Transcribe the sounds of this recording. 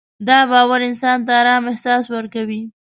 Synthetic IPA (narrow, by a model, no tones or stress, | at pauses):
d̪ɑbɑwaɾɪnsɑnt̪aːɾɑmɪhsɑswəɾkawi